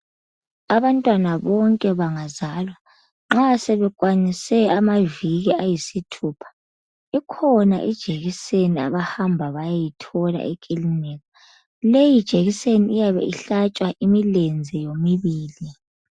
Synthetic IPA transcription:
aβantʼwanaβɔŋkʼɛβaŋazaːlwa | ŋ͡ǁasɛβɛkʼwanisɛamaviɣiajisitʰuːpʰḁ | ikʰɔna̰ʔid̥ʒ̥ʱeɣisenia̰βahambʱaβajajitʰɔla̰ʔekʼiliniɣa | lejid̥ʒ̥ʱeɣiseniːjaβɛ̰iɬat͡ʃʼwaʔimilend͡zʱɛjomiβiːli

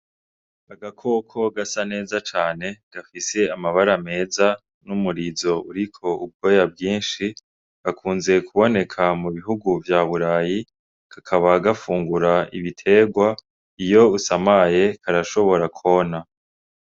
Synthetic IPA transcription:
aɡakʰo̞kʰo̞ɡasane̞ːzat͡ʃaːne̞ɡ̥afise̞amaβaɾame̞ːza | numuɾizo̞uɾikʰo̞ub̚ɡo̞jab̚ɡiːnʃi | ɡakʰuːnze̞kʰuβo̞ne̞kʰamuβiɦuɡuvjaːβuɾaːji | kakʰaβaɡafuːŋɡuɾaiβitʰe̞ɡwa | ijo̞usamaje̞kaɾaʃo̞βo̞ɾakʰo̞na

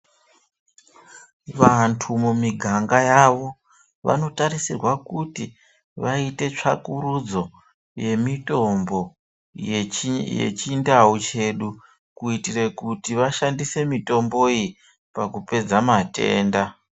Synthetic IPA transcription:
ʋantʰumumiɡʱaŋɡajaʋo̞ | ʋa̰no̞tarisirwakuti | ʋaite̞t͡ʂakuɾud͡zo̞ | je̞mitombo̞ | jḛt͡ʃindaut͡ʃe̞ɗu | kuitire̞kutiʋaʃandise̞mito̞mbo̞i | pakupe̞d͡zamate̞̰ːnda

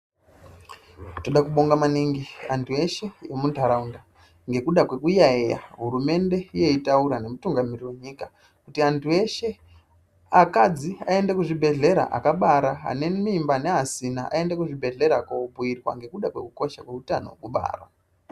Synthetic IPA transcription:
to̞ɗakuɓo̞ŋɡamaniŋɡiantʰue̞ʃe̞jemundʱaɾaunda | ŋɡe̞kuɗakwe̞kujaeja̰ɦuɾume̞nde̞ije̞itauɾane̞mutuŋɡamiriwe̞ɲika | kutiantʰue̞ʃe̞ | akad͡ziae̞ndakuʐibʱe̞ɮe̞ɾa̰ʔa̰kaɓaɾaa̰ne̞mimbane̞ɦasinaʔa̰e̞ndakuʐibʱe̞ɮe̞ɾakobʱuirwa̰ŋɡe̞kuɗakwe̞kuko̞ʃakwe̞uta̰no̰kuɓa̰ːrwa̰

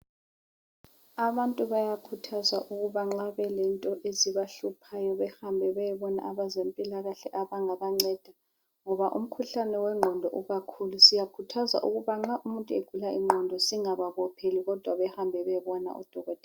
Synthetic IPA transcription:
aβantʼuβajakʰutʰazaʔuɣuβaŋ͡ǁaβɛlɛntʼɔʔeziβaɬupʰajɔβɛhambʱɛβɛjɛβɔna̰ʔaβazempʼilaɣaɬɛʔaβaŋaβaŋ͡ǀɛd̥ʱa | ŋɔβaʔṵm̩kʰuɬanɛwɛŋ͡ǃʱɔndʱɔʔuɣakʰulusijakʰutʰaza̰ʔuɣuβaŋ͡ǁaʔumuntʼueɡ̥ʱulaʔiŋ͡ǃʱɔndʱɔsiŋaβaβɔpʰeliɣɔd̥ʱwaβɛhambʱɛβɛβɔna̰ʔṵd̥ʱɔɣɔd̥ʱɛ

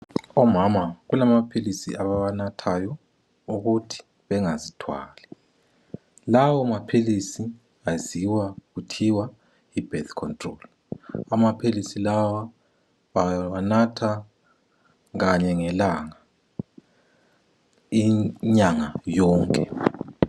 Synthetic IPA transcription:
ɔmamaɣulamapʰilisḭʔaβaβanatʰajɔ | uɣutʰi̥ | βɛŋazitʰwa̰ːlɛ | lawɔmapʰilisi | aziwaɣutʰiwa | ib̥ɛt̪ʰkʰɔntʼrɔl | amapʰilisilawa | βawanatʰa | ɣaɲɛŋɛlaŋa | iɲaŋajɔːŋkʼɛ̰

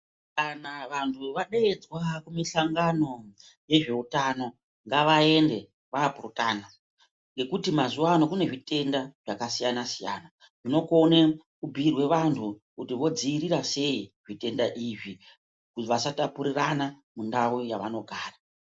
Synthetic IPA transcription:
kanaʋantʰuʋaɗeed͡zwakumisaŋɡano̞ | je̞ʐe̞utano̞ | ŋɡaʋae̞nde̞ | ʋaːpurutaːna | ŋɡe̞kutimazuwano̞kune̞ʐite̞ndaʐ̥akasijanasija̰ːna | ʐino̞kone | kubʱirwe̞ʋantʰukutiʋo̞d͡ziːɾiɾase̞iʐite̞ndaʔiʐi | kuʋasatapuɾirana | mundaujaʋa̰no̞ɡʱaːra

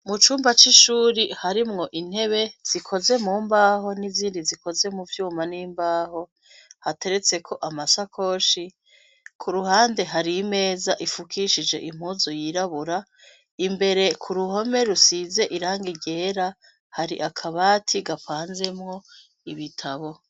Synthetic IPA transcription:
mut͡ʃuːmbat͡ʃiʃuːɾihaɾimŋo̞ʔin̥he̞βe̞z̥ikʰoze̞muːmbaːho̞niziːndizikʰo̞ze̞muvjuːmaniːmbaːho̞ | hate̞ɾe̞t͡se̞kʰo̞ʔamasakʰo̞ːʃi | kʰuɾuhaːnde̞ɦaɾime̞ːzaʔifukʰiʃid͡ʒe̞̰ʔim̥huzojiɾaβuɾa | imbe̞ɾe̞kʰuɾuho̞me̞ɾusize̞ʔiɾaːŋɡiɟe̞ːɾa | haɾḭʔakʰaβaːtʰiɡapaːnze̞mŋo̞ | iβitʰaβo̞

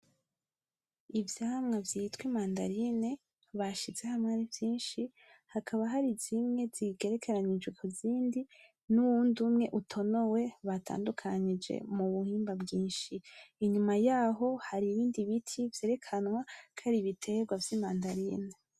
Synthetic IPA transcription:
ivjaːmŋavjitwimaːnda̰ɾine̞ | βaʃizehamŋaɾivjiːnʃi | hakʰaβaɦaɾizimŋe̞z̥iɡe̞ɾe̞kʰeɾaɲid͡ʒɡekʰuziːndi | nuwuːndumŋe̞ʔutʰo̞no̞we̞βatʰa̰ːndukʰaɲid͡ʒḛmuβuhiːmbabɡiːnʃiːɲumajaːɦo̞haɾiβiːndiβitʰivje̞ːɾe̞kʰanŋwakʰaɾiβitʰe̞ɡwavjimaːndaɾine

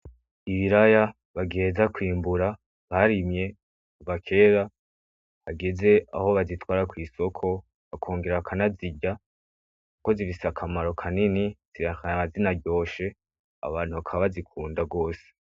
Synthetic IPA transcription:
iβiɾaja | βaɡeezakwiːmbuɾa | βaɾimɲe̞ | kuvakʰe̞ɾa | haɡe̞ze̞a̰ho̞βazitwaːɾakwiːso̞kʰo̞ | βakʰo̞ːŋɡeɾakʰanaziɟa | kuko̞ziɾisakʰamaɾo̞kʰaniniz̥iɾakanaazinaɟo̞ːʃe̞ | a̰βaːn̥huβakʰaβazikʰuːndaɡo̞ːse̥

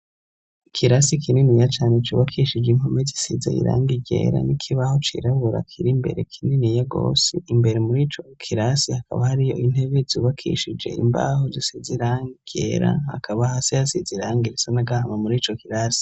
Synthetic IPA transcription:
ikʰiɾasikʰininijat͡ʃaːnet͡ʃuβakʰiʃid͡ʒeiŋhomezisiza̰ḭɾa̰ːŋɡiɟe̞̰ːɾa̰nikʰiβaho̞t͡ʃḭɾaβuɾa̰kʰiɾimbe̞̰ɾe̞kʰininijaɡo̞̰ːsiimbe̞ɾemuɾiːt͡ʃo̞kʰiɾasihaka̰βahaɾijo̞̰in̥e̞βezuːβakʰḭʃid͡ʒe̞̰ḭmba̰hozisiziɾaːŋɡiɡ̥ḛɾa̰ha̰kʰaβahasejasiziɾaːŋɡiɾisanaɡahamamuɾiːt͡ʃokiɾaːsi̥

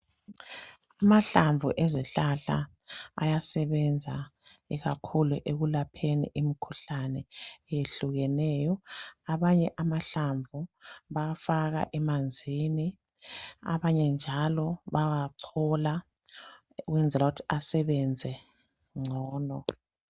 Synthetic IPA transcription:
amaɬaɱvʱṵʔeziɬaɬa̰ | a̰jasɛβɛnd͡zʱa | iɣakʰuluʔeɣulapʰenḭʔimikʰuɬanɛjeɬuɣɛnɛːjɔaβaɲɛʔamaɬaɱvʱuβafaɣa̰ʔɛmand͡zʱini | a̰βaɲɛnd͡ʒʱalɔβawaǀʰɔla | uɣwɛnd͡zʱɛlauutʰi̥ʔasɛβɛnd͡zʱɛ | ŋ͡ǀʱɔːnɔ

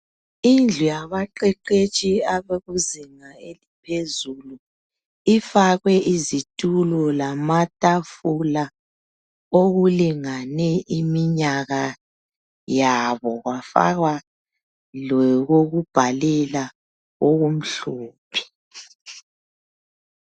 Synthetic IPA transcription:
ind͡ɮʱujaβaǃɛǃet͡ʃʼiaβeɣuziŋaelipʰezulu | ifaɣwɛizitʼulɔlamatʼafula | oɣuliŋanɛʔimiɲaɣa | jaβɔɣwafa̰ɣwa | lɛɣoɣub̥ʱalɛla | oɣum̩ɬoːpʰi̥

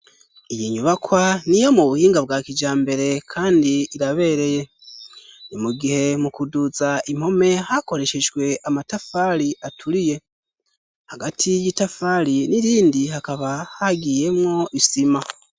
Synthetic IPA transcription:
ijiɲuβakwanijomuβuhiːŋɡab̚ɡaːkid͡ʒaːmbe̞ɾe̞kʰaːndiːɾaβe̞ːɾe̞je̞ | nimuɡihe̞mukuduzaim̥ho̞me̞hako̞ɾe̞ʃe̞d͡ʒɡwe̞ʔamatafaɾiʔatʰuɾije̞ | haɡatʰijitafaliniɾiːndihakaβahaɡiːje̞mŋo̞ʔisima

